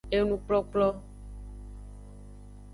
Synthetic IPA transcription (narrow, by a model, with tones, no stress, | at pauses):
e˦nũ˨k͡plɔ˦k͡plɔ˦